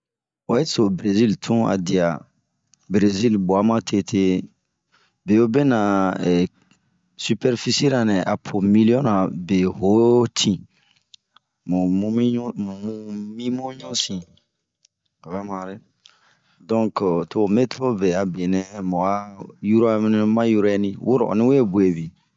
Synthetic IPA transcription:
we˨˦to˨bɾe˨zi˦ltʰũ˦a̰˨di˨a˨ | bɾe˨zi˦lbo˨a˦mã˦tʰe˦tʰe˦ | be˨o˦be˦nã˨ɛ˨ | sy˦pɛ˦ɾfi˦si˦ɾa˨nɛ̃˨ʔa˨pʰo˨mi˦liɔ̃˦na˨be˨ɦo˨˦tʰĩ˨ | mũ˨mũ˦mĩ˦mũ˨mũ˦mĩ˦mo˦ɲɔ̃˦sĩ˨ | ka˨βɛ˦mã˨ɾe˦ | dɔ̃˦ŋktʰo˦˨me˦tʰo˦be˨a˨be˨nɛ̃˦mɔ̃˨a˦ju˦ɾa˦m˦n˦mã˦ju˦ɾɛ˦nĩ˦wʔu˦ɾɔ̰˨nĩ˦we˦bu˨e˨bi˨

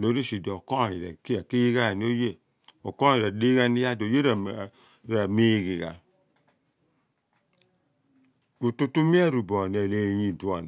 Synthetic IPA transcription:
lo˨˦ɾi˦si˨di˨o˨kɔ˦˨ji˨ɾɛ̰˨kki˦ji˦ɡa˦˨ni˦o˦je˦˨ | o˨kɔ˦i˨ɾɛ˨di˦ɡa˦ni˦ja˦˨do˨je˦ɾɛ˨ | ɾɛ˨mi˨˦˧ɡi˨ɡa̰˨ | o˨tu˦tu˦mi˦ɛ˦˨ɾu˨bɔ˨n˨e˨le˨ji˨du˨a˨n˨

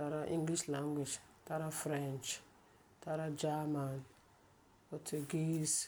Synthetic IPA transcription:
ta˨ɾa˦ʔĩ˦ŋɡli˦ʃla˦ŋɡʷi˨d͡ʒ | ta˦ɾa˦fɾɛ˦nt͡ʃ | ta˦ɾa˦d͡ʒa˦ma˨n | pɔ˨tʰu˨ɡi˦s

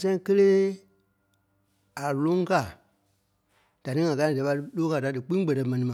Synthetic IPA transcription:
sɛ̃˦ĩ˦kə˦leː˦ | a˨lõ˦ŋ˦ka˨ | d̥a˨nĩ˦ŋã˨kã˧˦˨dɛ˨˦ɓa˧˦ɨ˧loː˦ka˨da˨˦dɨ˨k͡pĩ˦ɡ͡bɛ˨tɛ˧mɛ̃˨nĩ˨mã˨

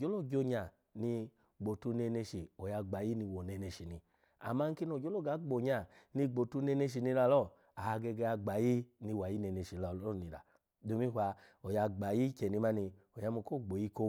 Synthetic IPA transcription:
d͡ʒo˨˦lo˦˨d͡ʒo˧ɲa˨ | ni˧ | ɡ͡bo˨tu˧ne˧ne˧ʃi˨o˨ja˧ɡ͡ba˨ji˦ni˧wo˨ne˧ne˧ʃi˨ni˧ | a̰˨ma˧ŋ̩˦ki˧˦n˨o˨d͡ʒo˦lo˦˨ɡa˨˦ɡ͡bo˨ɲa˨ni˧ɡ͡bo˨tu˧˦ne˧ne˧ʃ̬i˨ni˧la˧˨lɔ˦˨ | a˨a˧ɡe˧ɡɛ˧a˧ɡ͡ba˨ji˦ni˧wa˨ji˦ne˧ne˧˨ʃi˨la˧˨˦ni˨ɾa̰˨ | do˧˦mi˦ɦʷwa˧o˨ja˧ɡ͡ba˨ji˦kɛ˨ni˧ma˦ni˧ | o˨ja˧mu˧˨ko˦˨ɡ͡bo˨ji˦ko˧

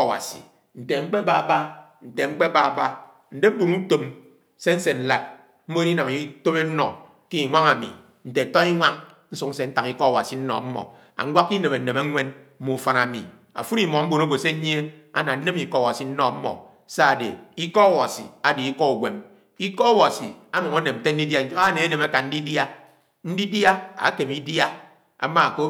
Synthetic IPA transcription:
wa̰˨sḭ˨ | n̩˨te˨ŋ͡m̩˦k͡pe˦ba˦˨ba˦n̩˨te˨ŋ͡m̩˦k͡pe˦ba˦˨ba˦ | n̩˦de˦bu˨nu˦to˨m | se˦n̩˦se˨n̩˨la˦˨t̚ | m̩˦mo˦e˦ɾi˦na˨mi˦to˦me˦n̩˦nɔ̰˨ | ki˦i˨ŋʷa˦ŋa˨mḭ˨ | n̩˨te˨tɔ˦i˦ŋʷa˦ŋ | n̩˦su˦k̚n̩˦se˦n̩˦ta˨ŋi˦kɔ˦a˨wa̰˨si˨n̩˦nɔ̰˨˦m̩˦mɔ̰˨ | a̰˨ŋ̩˦ɡʷa˦kːi˦ne˨me˨n̩˨ne˨me˦ŋʷe˦nm̩˦mu˨fa˦na˨mḭ˨ | a̰˨fu˦ɾi˨mɔ˨˦m̩˦bo˨no˦ɡo˨se˦ɲ˦e˦a̰˦na˨n̩˦ne˦mi˦˨kɔ˦˨wa˨si˨n̩˦nɔ˨m̩˦mɔ̰˨ | sa˦a˨dḛ˨i˦kɔ˦ɔ˦˨wa˨sḭ˨a˨di˨i˦kɔ˦u˨ɡʷe˨m | i˦kɔ˦ɔ˦wa˨si˨a˦mo˨ŋo˦ne˨mn̩˨te˦n̩˦di˦dja˦a˦˨ne˨e˦ne˨ma˦ka˨n̩˦di˦dja˦ | n̩˦di˦dja˦a̰˨˦ke˨mi˦dja˦ | a̰˨ma˦˨ko˦

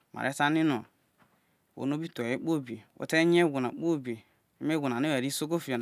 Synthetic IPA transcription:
ma̰˨ɾe˦sa˦ni˦no˨ | wo̰˨n˦o˦bi˦to˨e˦k͡po˦˨bi˨wʔo̰˦te˦ɲ˦e˦ɡʷu˨na˨k͡po˦˨bi˨ | i˦me˦ɡu˨na˨ne˦we˨ɾi˦so˦ko˦fi˨o˨

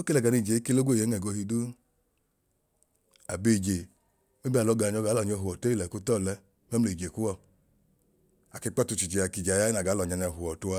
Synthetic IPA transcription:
o˦ke˦lɛ˨ɡa˨ni˧˨d͡ʒe˨˦ke˦lo˦ɡo˦˨je˨˦ɛ˨ɡo˧hi˧du˦ | a˨be˧˨d͡ʒe˨ | me˦bi˦a˨lɔ˧˦ɡa˨ɲ˦ɔ˧ɡa˨˦lɔ˨ɲ˦ɔ˧ɦu˨ɔ˨to˦i˦˨lɛ˨ku˧tɔ˦˨lɛ˧ | mɛ˦m˦e˨d͡ʒe˨ku˦wɔ˦˨ | a˨ki˧˦k͡pɔ˦tu˧t͡ʃi˨d͡ʒi˨a˨ki˨d͡ʒa˨ja˦na˨ɡa˨˦lɔ˨ɲa˧ɲa˧˨ɦu˨ɔ˨tu˧a˧

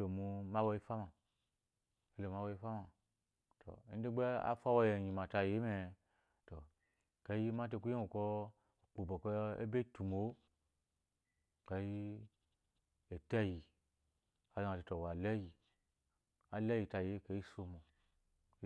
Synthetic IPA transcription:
lo˨mu˧ma˦wa˧ji˦fa˦ma˨ | e˦lo˨ma˦wa˧ji˧˦fa˦ma˨ | to̰˨˦n̩˦de˦ɡ͡be˦a̰˦fa˦wa˧˦je˨ɲi˨ma˨ta˧je˦me˨ | to˨ | ka˨˦ji˦ma˦t̬e˧ku˦i˦u˨kɔ˧ | o˨k͡pu˨bo˨kɔ˧ḛ˦be˦tu˨mo˨˦ | ka˧ji˦ | e˨tɛ˦ji˨ | a˨za˨˧a˨te˧to˨wa˨lɛ˦ji˨ | a˨lɛ˦ji˧˨ta˧je˨˦ke˧˦ji˦so˧mu˨˦

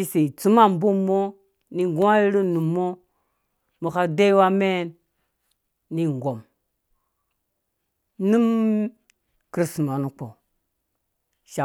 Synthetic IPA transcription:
i˦se˨t͡su˦ma˦˨mbu˦mːo˦ | ni˦ɡu˦a˦ji˦ɾi˦nu˨mːo˦ | mo˨ka˦de˦i˦wa˦me˦n | ni˦ŋ˨ɡo˨m | nu˦m | kɾi˦sma˨nu˨k͡po˨ | ʃa˨

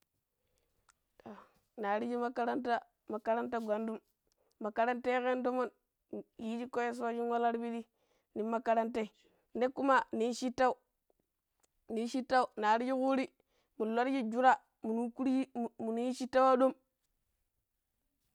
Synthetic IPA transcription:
ta˨ | na˨ɾi˦d͡ʒi˦ma˦ka˦ɾa˦nta˦ | ma˨ka˦ɾa˦nta˦ɡʷa˨ndu˦m | ma˨ka˨ɾa˦nte˦ke˦ndo˦mo˦n˨ | ji˦d͡ʒi˦ko˦ja˦s̬u˦wa˦d͡ʒi˦n˦wa˦la˦ɾbi˦ɾi˦ | ni˨˦ma˦ka˦ɾa˦nte˦i˨ | ne˦kːu˦ma˦ni˨˦ʃi˦tːa˦u˦ | ni˨˦ʃi˦ta˦u˨na˨ɾi˦d͡ʒi˦ku˦ɾi˦ | mu˨la˦ɾd͡ʒi˦d͡ʒu˦ɾa˦ | mu˨nu˦ku˦ɾi˦˨mu˨nu˦ji˦ʃi˦tːa˦wa˦ɗo˦m

